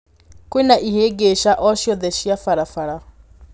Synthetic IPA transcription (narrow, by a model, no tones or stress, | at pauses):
kwenaʔiheɡeʃaʔɔʃjɔðɛɕjafaɾafaɾa